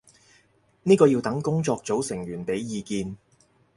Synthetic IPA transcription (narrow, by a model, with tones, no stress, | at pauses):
niː˥kɔː˧jiː˧wt̪ɐ˨˥ŋkʊ˥ŋt͡sɔː˧k̚t͡so˨˥wsɪ˨˩ŋjyː˨˩npe˨˥jːiː˧kiː˧n